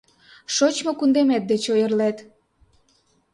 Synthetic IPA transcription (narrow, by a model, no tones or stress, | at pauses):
ʃot͡ɕmokund̪emet̪̚d̪et͡ɕojə̆rlet̪